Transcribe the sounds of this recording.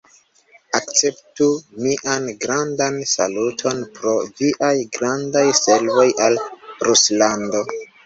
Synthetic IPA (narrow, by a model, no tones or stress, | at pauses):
ak̚t͡se̞ptumiʔanɡɾandansa̰lutʰo̞npɾo̞viʔajɡɾandajse̞lvo̞jalɾuslando̞